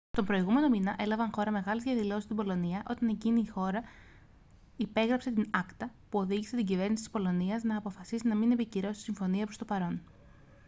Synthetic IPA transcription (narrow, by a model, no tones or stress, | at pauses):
st̪o̞mbɾo̞iɣume̞no̞minɐʔe̞lɐvɐŋxo̞ɾɐme̞ɣɐlezʝɐðilo̞sist̪ibo̞lo̞niɐʔo̞t̪ɐne̞ciniːxo̞ɾɐ | ipe̞ɣɾɐpse̞t̪inɐkt̪ɐpuo̞ðiʝise̞t̪iɲɟive̞ɾnisit̪ispo̞lo̞niɐznɐːpo̞fɐsisinɐmine̞piciɾo̞sit̪isiɱfo̞niɐpɾo̞st̪o̞pɐɾo̞n